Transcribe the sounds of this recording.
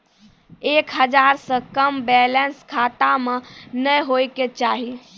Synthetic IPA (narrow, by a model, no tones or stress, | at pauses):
ekɦəd͡ʒaɾsə̃kəmbɛlənskʰat̪amenəjɦojket͡ʃaːɦi